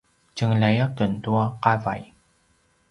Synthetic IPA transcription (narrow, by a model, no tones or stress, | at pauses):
t͡ɕəŋɮajakəntuaqava̰j